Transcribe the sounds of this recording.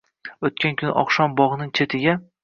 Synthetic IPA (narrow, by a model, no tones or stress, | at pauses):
ot̪̚kʲaŋkʲʰʊnɪ̰ʔɒ̰χʃɒmbɒʁnɪŋt͡ʃʰe̞t̪ʰɪɡʲa